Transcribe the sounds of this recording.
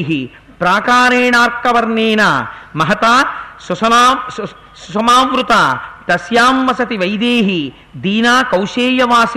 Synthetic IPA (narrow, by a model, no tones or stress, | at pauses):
ɦi | pɾaːkaːɾeːɳaːɾkːɐʋɐɾneːnaːmɐɦɐt̪aːsɐsɐaː | susɐmaːʋɾut̪aːt̪ɐsjaːmʋɐsɐt̪iʋɐjd̪eːɦi | d̪iːnaːkɐwʃeːjɐʋaːs